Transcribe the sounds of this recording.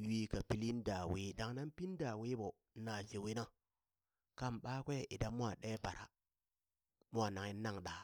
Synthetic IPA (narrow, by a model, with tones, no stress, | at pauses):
wi˨ka˨pi˦li˦n˦da˨wi˨˦da˨ŋna˦npi˦n˦da˨wi˦bo˨˦ | na˨d͡ʒe˨wi˦na˦ | ka˦˨mɓaː˦kʷe˦i˨da˦mʷ˦a˨ɗe˦pa˨ɾa̰˨ | mu˦a˨na˨ŋi˦na˦˨ŋɗa˨